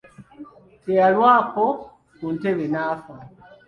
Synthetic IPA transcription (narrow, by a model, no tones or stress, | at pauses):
tealwaːko | kuntelenaːfa